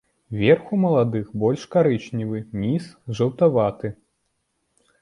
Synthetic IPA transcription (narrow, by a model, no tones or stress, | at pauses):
vʲɛrxumɐlˠad̪ɨxbɔlʲʂkaɾɨt͡ʃnʲivɨmʲisʐɐwt̪avat̪ɨ